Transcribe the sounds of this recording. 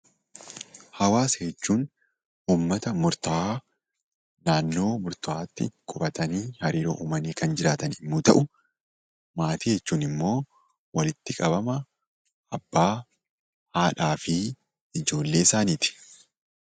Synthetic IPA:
hɐwaːshɛt͡ʃːuːn | uːmːɐt̪ɐmʊɾt̪ɐaː | naːnːo̞ːmʊɾt̪ʊaːt̪ːɪ̰kʼʊbɐt̪ɐniːhɐɾiːɾo̰ːʔuːmɐniːkɐnd͡ʒɪɾaːt̪ɐnɪmːuːt̪ɐ̰ʔʊ | maːt̪iːhɛt͡ʃːuːnɪmːo̞ː | wɐlɪt̪ːɪkʼɐbɐmɐ | ʔɐbːaː | haːᶑaːfɪ | ɪd͡ʒo̞ːlːe̞ːɪsaːniːt̪ɪ̥

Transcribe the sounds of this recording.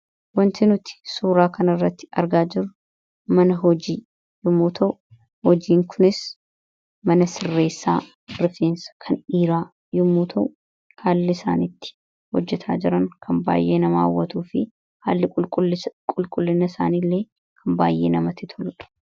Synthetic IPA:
wɐnt̪ɪnʊt̪ɪ̥suːɾaːkɐnɪrːɐt̪ːɪ̥ɐ̰ɾɡaːd͡ʒɪɾʊ | mɐnɐɦɔd͡ʒiː | jʊmːuːt̪ʰɐʔʊ | hɔd͡ʒiːŋkʰʊnɪs | mɐnɐsɪrːe̞ːsːa̰ː | ɾɪfeːnsɐ̥kʰɐniːɾaː | jʊmːuːt̪ʰɐʔʊ | kʰaːlːɪsa̰ːnit̪ːɪ̥ | hɔd͡ʒːɛt̪ʰa̰ːd͡ʒɪɾɐŋkʰɐmba̰ːjːʔe̞ːnɐma̰ːwːɐt̪uːfɪ | haːlːɪkʼʊlkʼʊlːɪkʼʊlkʼʊlːɪnɐɪsa̰ːniːlːe̞ː | kʰɐmbaːjʔe̞̰ːnɐmɐt̪ɪt̪ʰɔlᶑɐ̥

